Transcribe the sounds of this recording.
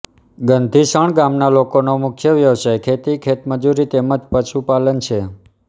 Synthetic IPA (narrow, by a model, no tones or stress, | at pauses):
ɡənd̪ʱiʃəɳ̃ɡamnalokonomʊkʰjəʋjəʋsajkʰet̪ikʰet̪məd͡ʒuɾit̪eməd͡ʒpəʃupalənt͡ʃʰe